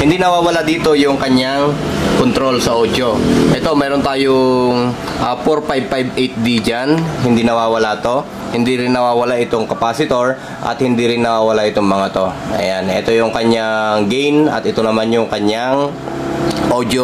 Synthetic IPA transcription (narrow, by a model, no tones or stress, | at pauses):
hɪnd̪inɐwaːwɐlad̪iːt̪o̞jʊŋkɐɲaŋkont̪ɾo̞lsɐʔoːd͡ʒo̞ʔɛt̪o̞mɛːɾont̪aːjoŋ | ʔɐːpoɾpajb̚pajbʔɛjt̪̚d̪id͡ʒanɦɪnd̪inɐwaːwɐlat̪o̞ | hɪnd̪iɾɪnːɐwaːwɐlaʔɪt̪oŋkɐpaːsɪt̪o̞ɹ | ʔɐ̰t̪̚hɪnd̪iɾɪnːɐwaːwɐlaʔɪt̪o̞ŋmɐŋat̪o̞ʔɐ̰janɛ̰t̪o̞jʊŋkɐɲaŋɡɛjnɐ̰t̪ɪt̪o̞nɐmanjʊŋkɐɲaŋ | ʔoːd͡ʒjo